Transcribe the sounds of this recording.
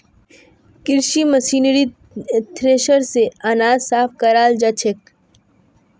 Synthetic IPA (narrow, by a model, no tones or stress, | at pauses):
kɪɾʃimɐsiːnɾi | t̪ʰɾeːʃəɾseanaːzsaːfkɐɾaːld͡ʒɐt͡ʃʰek